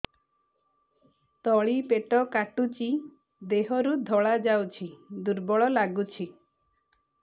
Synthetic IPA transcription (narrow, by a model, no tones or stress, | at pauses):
t̪ɔɭipeʈɔkaʈut͡ʃi | d̪eɦɔɾud̪ʱɔɭad͡ʒawt͡ʃʰid̪uɾbɔɭɔlaɡut͡ʃʰi